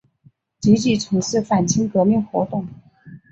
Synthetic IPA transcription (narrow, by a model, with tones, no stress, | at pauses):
t͡ɕi˧˥t͡ɕi˥˩ʈ͡ʂʰɤ˧˥ŋʂɻ̩˥˩fa˨˩nt͡ɕʰi˥ŋkɤ˧˥mi˥˩ŋxwɔ˧˥t̪ʊ˥˩ŋ